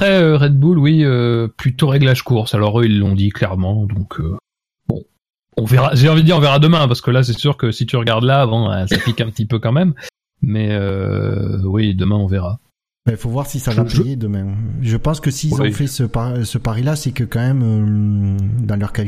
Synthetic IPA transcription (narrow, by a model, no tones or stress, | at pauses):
apχɛøʁɛd̪̚bulwiøplyt̪oʁɛɡlaʒkuʁsalɔʁøilːɔ̃d̪iklɛʁmɑ̃d̪ɔ̃kʰø | bɔ̰̃ | ɔ̃vɛʁaʒeɑ̃vid̪d̪iʁɔ̃veʁad̪əmɛ̃paʁsə̥kəlas̬ɛsyʁkəsit̪yʁəɡaʁd̪laːvɑ̃ɛ̰saplikɛ̃p̚t̪ipøkɑ̃mɛm | mɛø̰ | wid̪əmɛ̃ɔ̃vɛʁa | baifovwaʁsisavapejed̪əmɛ̃ʒəpɑ̃skəsizfɛsəpasəpaʁilasɛkəkɑ̃mɛmø | d̪ɑ̃lœʁka